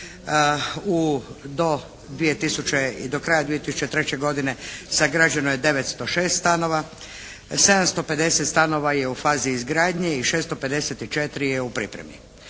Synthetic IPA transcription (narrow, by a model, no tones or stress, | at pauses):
ud̪o̞ | d̪ʋije̞t̪isut͡ɕeḭd̪o̞kɾajad̪ʋije̞t̪isu̥t͡ʃet̪ɾe̞t͡ɕeɡo̞d̪ine̞saɡɾad͡ʑenojed̪e̞ʋet̪st̪o̞ʃe̞ːst̪st̪ano̞ʋa | se̞d̪amst̪o̞pe̞d̪e̞set̪st̪ano̞ʋaje̞ufaːziːzɡɾaːd̪ɲe̞iʃeːst̪o̞pe̞d̪e̞set̪it͡ʃe̞t̪ɾijeupɾḭpɾemḭ